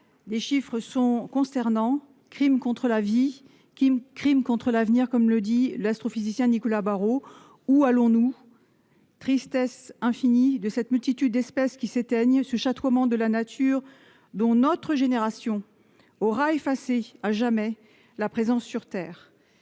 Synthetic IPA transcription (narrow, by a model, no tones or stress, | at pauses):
d̪eʃifχəsɔ̃kɔ̃st̪ɛʁnɑ̃ | kχimkɔ̃t̪χəlavi | imkχimkɔ̃t̪χəlavniʁkɔmləd̪ilast̪χofizisjɛ̃nikɔlabaʁo | ualɔ̃nu | t̪χist̪ɛsɛ̃finid̪əsɛt̪mylt̪it̪yd̪̚ːɛspɛskʲiset̪ɛɲsəʃat̪wamɑ̃d̪əlanat̪ʰyʁ | d̪ɔ̃nɔt̪χəʒeneʁasjɔ̃ | ɔʁaefaseaʒamɛ | lapχezɑ̃sːyʁt̪ɛːʁ